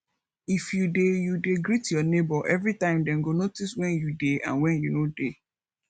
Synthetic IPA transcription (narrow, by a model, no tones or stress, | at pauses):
ifjudejudeɡɾitjɔnebɔʔɛvɾitãɪ̃mdɛ̃n̩ɡonotiswɛ̃njudeã̰nwɛ̃njunode